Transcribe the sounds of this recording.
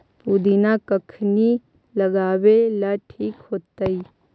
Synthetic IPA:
puːd̪inakəkʰni | lɐɡaːwelaʈʰiːkɦoːt̪ai

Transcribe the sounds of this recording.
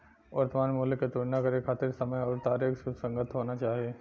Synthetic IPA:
ʋɐɾt̪maːnmoːlɪkːet̪oɽnakɐɾekʰaːt̪ɪɾsɐməjɔːɾt̪aːɾixsʊbsɐ̃ŋɡət̪ɦoːnat͡ʃaːɦieː

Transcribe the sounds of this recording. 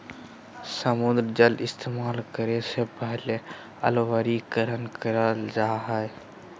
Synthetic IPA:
səmʊ̃nd̪ɾd͡ʒəlɪst̪eːmaːlkəɾesepəɦle | ə̰lʋəɾikəɾənkəɾəld͡ʒaːɦɛe

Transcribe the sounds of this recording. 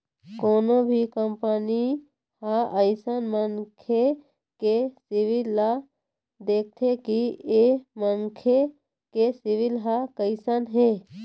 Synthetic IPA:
koːnobʱikəmpəni | haəɪsənmənkʰe | kesiʋilːa | d̪eːk̚t̪ʰekiemənkʰe | kesiʋilɦakəɪsənɦe

